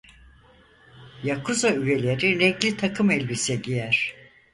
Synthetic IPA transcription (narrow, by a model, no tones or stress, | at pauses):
jakʰuzayve̞lʲe̞ɾinɛɡlʲit̪ʰakʰɯmɛlʲbisɛɟijæɾ̥